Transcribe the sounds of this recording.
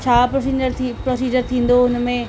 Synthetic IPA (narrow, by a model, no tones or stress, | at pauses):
t͡ɕʰaːpɾsid͡ʒəɾʰipɾoːsiːd͡ʑəɾt̪ʰĩːn̆d̪oʊnmẽ